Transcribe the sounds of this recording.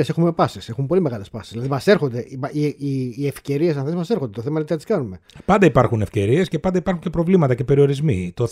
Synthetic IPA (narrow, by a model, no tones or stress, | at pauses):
ese̞xume̞pɐsise̞xumpo̞lime̞ɣɐle̞spɐsi̥sz̥ðilɐðimɐseɾxond̪e̞ʔimɐiiːefce̞ɾiesɐnθezmɐsexond̪et̪θemɐnt̪iɐt̪iskɐnume̞pɐnd̪ɐipɐɾxunefce̞ɾie̞scepɐnd̪ɐipɐɾxunce̞pɾo̞vlimɐt̪ɐcepe̞ɾio̞ɾizmḭt̪o